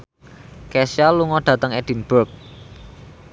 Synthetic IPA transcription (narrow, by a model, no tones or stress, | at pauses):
kɛsjaluŋɔɖ̪̥ä̤t̪əŋɛd̥i̤nb̥urk̚